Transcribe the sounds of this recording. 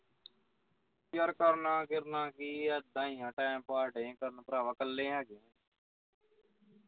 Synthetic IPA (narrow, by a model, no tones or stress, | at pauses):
pjəɾkəɾnãːkɪɾnãːkiəd̪ãːiːãːʈaːmpaːɾɖẽːkəɾnːpɾaːʋãːkəlːẽːɦɛːɡẽː